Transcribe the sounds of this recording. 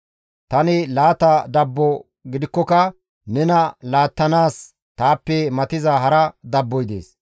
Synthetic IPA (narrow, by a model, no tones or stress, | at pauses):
t̪ɐnɪlaːt̪ɐd̪ɐbːɔ | ɡɪd̪ɪkːɔkɐ | nɛnɐlaːt̪ːɐnaːs | t̪aːpːɛmɐt̪ɪzɐɦɐɾɐd̪ɐbːɔjd̪ḛːs